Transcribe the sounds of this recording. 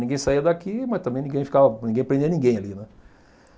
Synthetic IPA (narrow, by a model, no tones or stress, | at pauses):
nĩɡẽj̃saiɐd̪akimɐst̪ɐ̃bẽj̃nĩɡẽj̃fi̥kavɐnʲĩɡẽj̃pɾẽd̪iɐnĩɡẽj̃alinɛ